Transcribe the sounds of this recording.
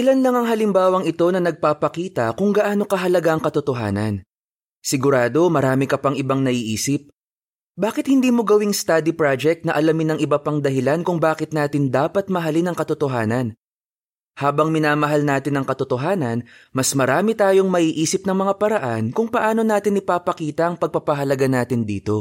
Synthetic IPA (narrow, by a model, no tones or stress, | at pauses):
ʔɪlanlɐŋɐŋɦɐlɪmbaːwɐŋɪt̪o̞nɐnɐɡ̚papɐkiːt̪ɐkʊŋɡɐʔaːno̞kɐɦɐlɐɡaʔɐŋkɐt̪ʊt̪oɦa̰ːnɐ̰n | sɪɡʊɾaːd̪o̞mɐɾaːmɪkɐpɐŋʔɪbaŋnɐʔiːʔiːsɪp̚ | baːkɪt̪hɪnd̪iːmo̞ɡɐwiŋst̪ad̪ipɾad͡ʒɛk̚t̪nɐʔɐlɐmɪnɐŋʔɪbɐpɐŋd̪ɐɦɪlankʊŋbaːkɪt̪̚naːt̪ɪnd̪aːpɐt̪̚mɐɦɐlinɐŋkɐt̪ʊt̪oɦaːnɐn | haːbɐŋmɪnaːmɐɦalnaːt̪ɪnɐŋkɐt̪ot̪oɦaːnɐnmɐsmɐɾaːmɪt̪aːjo̞ŋmɐʔiːʔiːsɪp̚nɐŋmɐŋapɐɾɐʔankʊŋpɐʔaːno̞naːt̪ɪnʔɪpaːpɐkiːt̪ɐʔɐŋpɐɡ̚pɐpɐɦɐlɐɡanaːt̪ɪnd̪ḭːt̪o̞